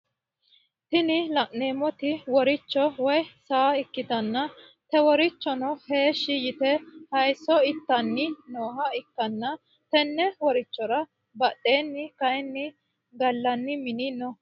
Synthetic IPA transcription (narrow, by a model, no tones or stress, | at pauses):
t̪ɪnɪlɐʔne̞ːmɔt̪ɪwɔɾɪt͡ʃːɔwɔjsaːɪkːɪd̪ɐnːɐ | t̪ɛwɔɾɪt͡ʃːɔnɔhe̞ːʃːɪjɪt̪ɛhɐjsːɔɪt̪ːɐnːɪnoːɦɐɪkːɐnːɐ | t̪ɛnːɛwɔɾɪt͡ʃːɔɾɐ | bɐɗe̞ːnːɪkɐjnːɪ | ɡɐlːɐnːɪmɪninɔ